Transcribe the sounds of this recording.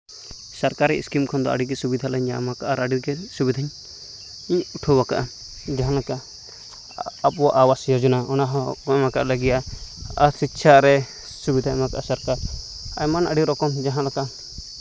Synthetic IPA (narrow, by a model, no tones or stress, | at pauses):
saɾkaɾɛḭskimkʰɔnd̪ɔa̰ɖiɡɛsubid̪ʱalaɲamakaʔaɾaɖiɾɡɛsubid̪ʱaɲ | iɲuʈʰɔbaka̰ʔa | d͡ʒaɦãlaka | pwɔʔawasjɔd͡ʒunaɔnaɦɔkɔmaka̰ʔlaɡijaa̰ɾsit̪ʃʰaɾɛ | subid̪ʱamakaʔasaɾkaɾ | ajmanaɖiɾɔkɔmd͡ʒaɦãlaka